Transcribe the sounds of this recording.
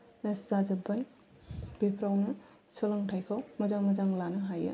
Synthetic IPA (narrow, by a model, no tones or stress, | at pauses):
nɐszazɐbɐn | b̥epʰɾawnɐ | sʰɔlɐŋtʰajkʰawmɐzaŋmɐzaŋlanɐɦajɐ̰